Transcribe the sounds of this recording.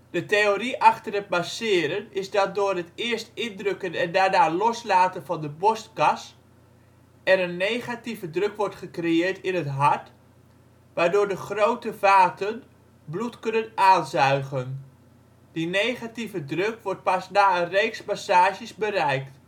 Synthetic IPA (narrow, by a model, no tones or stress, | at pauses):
d̥ətejoriʔɑχtərɦət̚basɪːɾənɪzdɑt̚dʊːrɦətɪərstɪndrɵkənɛndaːrnaːlɔslaːtənvɑndəbɔstkɑs | ɛɾənːejχativədrøkʋɔɹtχəkrejɪːɹtɪnətɦɑrt | ʋaːɹdʊːɹdəχrowtəvaːtən | blutkɵnənaːnzœɥɣən | d̥inejχativədrøkʋɔɹt̚pɑsnaːrejkspasaːʒəsbəɾɛjkt